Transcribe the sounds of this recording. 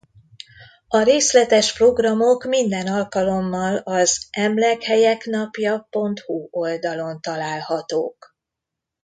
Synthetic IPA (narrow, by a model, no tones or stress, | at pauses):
ɒɾeːslɛt̪ɛʃpro̞ɡrɒmo̞kmind̪ɛnɒlkɒlo̞mːɒlɒzʔɛmlɛkhɛjɛknɒpjɒpo̞nt̪huo̞ld̪ɒlo̞nt̪ɒlaːlhɒt̪oːk